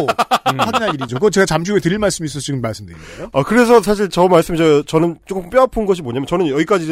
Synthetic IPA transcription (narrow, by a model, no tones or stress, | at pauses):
aɡinaiɾid͡ʑokɯʌt͡ɕe̞ɡat͡ɕamɕʰuɡetɯɾiɭmaɭs͈ɯmis̬͈ʌt͡ɕiɡɯmːaɭs͈ɯmdɯɾioakɯɾe̞s̬ʰʌsʰaɕ̬ʰiɭt͡ɕʌmaɭs͈ɯmiet͡ɕʌnɯnt͡ɕ͈ok͈ɯmp͈jʌapʰɯnɡʌɕ̬ʰimoɲamjʌnt͡ɕʌnɯnjʌɡik͈ad͡ʑi